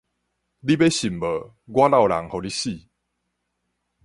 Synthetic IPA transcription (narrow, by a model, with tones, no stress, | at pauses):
li˦be˦ɕi˨˩mbə˨˦ | ɡwa˦la˥˨wla̰˨˦ŋho˨˩li˦ɕi˥˨